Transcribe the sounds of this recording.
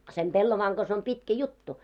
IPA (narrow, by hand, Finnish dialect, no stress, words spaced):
sem pelːoʋɑːŋ ɡ̊ɑs om pitkæ jutːu